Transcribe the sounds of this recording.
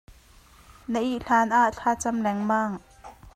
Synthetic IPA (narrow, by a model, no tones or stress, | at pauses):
nəʔiʔɬaːnʔaʔɬʰaːt͡sɐmlɛŋmaːŋ